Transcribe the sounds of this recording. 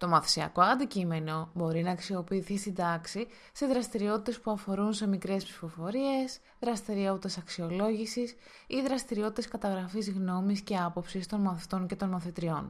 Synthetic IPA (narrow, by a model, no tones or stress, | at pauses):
t̪o̞mɐθi̥siɐ̰ko̞ɐnd̪icime̞no̞bo̞ɾinɐːksio̞piːθist̪ind̪ɐksi | se̞ðɾɐst̪iɾio̞t̪i̥t̪e̞spuɐfo̞ɾunse̞mikɾe̞spsi̥fo̞fo̞ɾie̞s | ðɾɐst̪iɾio̞t̪it̪e̞sɐksio̞lo̞ʝisis | iðɾɐst̪iɾio̞t̪i̥t̪eskɐt̪ɐɣɾɐfizɣno̞misce̞ɐpo̞psist̪o̞nmɐθit̪o̞ɲce̞t̪o̞nmɐθit̪ɾio̞n